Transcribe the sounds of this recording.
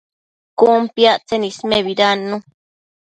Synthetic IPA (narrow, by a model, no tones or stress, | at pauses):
kumpjaʔt͡senismeβiɾanːũ